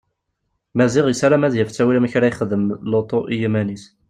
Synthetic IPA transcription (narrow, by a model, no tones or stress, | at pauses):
mæziʁjəsaɾamæðjəft͡sːæwilæmçɾæjəχəðəmlot̪ˤoʔijimænis